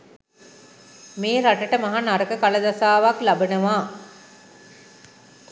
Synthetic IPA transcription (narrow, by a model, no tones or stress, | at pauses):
meːɾaʈəʈəmaɦanaɾəkəkaləd̪asaːʋaklabənəʋaː